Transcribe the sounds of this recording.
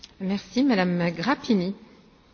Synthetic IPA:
mɛʁsimad̪amɡʁapini

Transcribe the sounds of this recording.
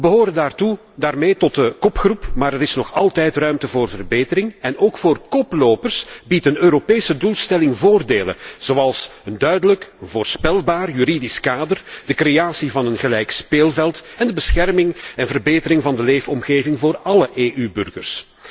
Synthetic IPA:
əbəɦoːɾəndaːrtu | daːrmeːtɔt̚əkɔpxrupmaːɾəɾɪsnɔxɑlˠtɛjtrœɥmtəvoːrvərbeːtəɾɪŋɛnoːkfoːrkɔploːpərsbitənøːɾopeːsədulˠstɛlɪŋvoːrdeːlə̰nz̥oːɑlˠsəndœɥdələkənvoːrspɛlˠbaːrjyɾidɪskaːdərd̥əkrejaːsivɑnənɣəlɛjkspeːlˠvɛlˠtɛndəbəsxɛrmɪŋɛnvərbeːtəɾɪŋvɑndəleːfɔmɣeːvɪŋvoːrɑləʔeːʔybʏ̰rɣə̰rs

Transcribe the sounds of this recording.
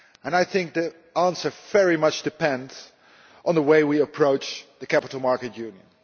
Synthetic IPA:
ɨ̃naɪθɪ̃ŋk̚ði | æ̃nsə˞vɛɹimʌt͡ʃd̥ɨpɛ̃nd | ʔn̩ðəweɪwiəpʰɹ̥oʊt͡ʃðɨkʰæpətl̩ˠmɑɹkɨt̚jʉ̃njə̰̃n

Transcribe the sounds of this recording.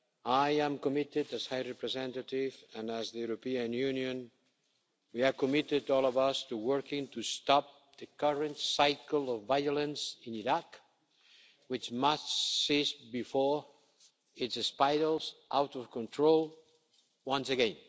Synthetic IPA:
ajæ̃mkɔmɪtɪdɨshajɹɛpɹɛzɛ̃ntatɪvɨ̃næzðəjuɾopiɨ̃njʉnjɨ̃n | wiɨvkɔmɪtɪdɔlˠɔvʌstuwɜ˞kɪ̃ŋtustɑp̚ | ð̥ɨkʌɹə̃ntsajkl̩ˠɔvːajɔlə̃nsɪ̃niɾak | wɪt͡ʃmʌstsisbifɔɹ | ɪtsɨspajɾl̩ˠzʔawtɔv̥kɔ̃ntʰɹolˠ | wʌ̃nsɨɡɛ̃n

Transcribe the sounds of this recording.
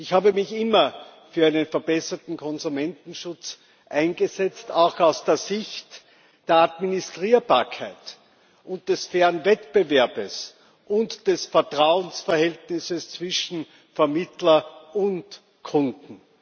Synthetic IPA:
ɪçhaːbəmɪçɪmɐfyːɐæɪnənfɛɐbɛsɐtn̩kʰɔnzumɛntn̩ʃʊt͡s | ʔaɪnɡəzɛt͡staʊxaʊsd̥eːɐzɪçt | d̥eːɐadministʁiːɐbaːɐkʰaɪt | ʊnt̚d̥ɛsfɛːʁənvɛtb̥əvɛɐbəs | ʔʊntd̥ɛsfɛɐtʁ̥aʊənsfɐhɛltnɪsəst͡sv̥ɪʃn̩ | fɛɐmɪtlɐʊnt | kʰʊndn̩

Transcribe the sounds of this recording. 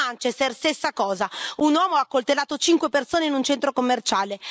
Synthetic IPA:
ant͡ʃesɛrst̪esːakɔːzaunwɔːmoakːolt̪elːaːt̪ot͡ʃiŋkwepersoːneinunt͡ʃɛnt̪ɾokomːert͡ʃaːle

